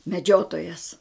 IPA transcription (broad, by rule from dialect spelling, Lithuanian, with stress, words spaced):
mʲɛˈd͡ʒʲoːtoːjɛs